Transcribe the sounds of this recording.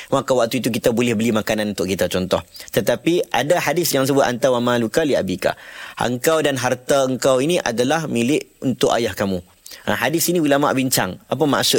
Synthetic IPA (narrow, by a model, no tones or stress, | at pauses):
makawak̚t̪uit̪uk̬it̪abolɛhbəlimakanãnunt̪ʊʔkit̪at͡ʃɔnt̪ɔht̪ət̪apiʔa̰dahadɪsjaŋs̬əbʊt̪a̰nt̪awamãlukalia̰bika̰ʔə̰ŋkawdanɦart̪aəŋkawiniʔa̰dalahmilɪʔunt̪ʊʔa̰jahkamũ | a̰ɦadɪsiniwulama̰ʔbiɲt͡ʃaŋapama̰ʔsʊ